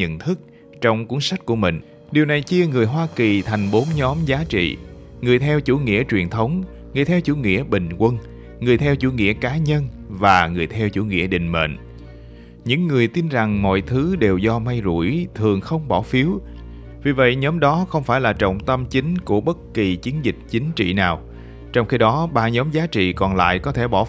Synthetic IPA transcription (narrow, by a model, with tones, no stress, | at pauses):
ɲə̰˧˨nt̪ʰɨ˦˥k̚ | t͡ɕɔ˧wŋ͡mku˨˦əŋsa˦˥k̟̚ku˧˩əmï˨˩ŋ̟ | ɗi˨˩əwna˨˩jt͡ɕi˧əŋɨ˨˩əjɦwaː˧ki˨˩t̪ʰa˨˩jŋ̟ɓo˨˦nɲɔ˨˦mzaː˨˦t͡ɕḭ˧˨ŋɨ˨˩əjt̪ʰɛ˧wt͡ɕu˧˩ŋḭ˧˥ət͡ɕwi˨˩ənt̪ʰə˨˦wŋ͡m | ŋɨ˨˩əjt̪ʰɛ˧wt͡ɕu˧˩ŋḭ˧˥əɓï˨˩ŋ̟kwə˧n | ŋɨ˨˩əjt̪ʰɛ˧wt͡ɕu˧˩ŋḭ˧˥əkaː˨˦ɲə˧nvaː˨˩ŋɨ˨˩əjt̪ʰɛ˧wt͡ɕṵ˧˩ŋḭ˧˥əɗï˨˩ŋ̟mḛ˧˨n | ɲɨ̰˧˥ŋːɨ˨˩əjt̪i˧nza˨˩ŋmɔ̰˧˨jt̪ʰɨ˨˦ɗe˨˩wzɔ˧ma˧jzṵ˧˩jt̪ʰɨ˨˩əŋxə˧wŋ͡mɓɔ˧˩fi˨˦əw | vi˨˩və̰˧˨jɲɔ˨˦mɗɔ˨˦xə˧wŋ͡mfaː˧˩jlaː˨˩t͡ɕə̰˧˨wŋ͡mt̪ə˧mt͡ɕï˨˦ŋ̟ku˧˩əɓə˦˥t̚ki˨˩t͡ɕi˨˦ənzï˨˩k̟̚t͡ɕï˨˦ŋ̟t͡ɕḭ˧˨naː˨˩w | t͡ɕɔ˧wŋ͡mxi˧ɗɔ˨˦ɓa̰ː˧˨˩ɲɔ˨˦mzaː˨˦t͡ɕḭ˧˨kɔ˨˩nla̰ː˧˨jkɔ˨˦t̪ʰe˧˩ɓɔ˧˩